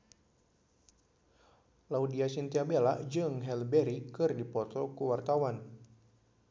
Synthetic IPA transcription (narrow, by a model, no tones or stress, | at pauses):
laudiasint̪iabelaʔd͡ʒɨŋɦɛlbɛɾikɨrdipɔt̪ɔkuwart̪awan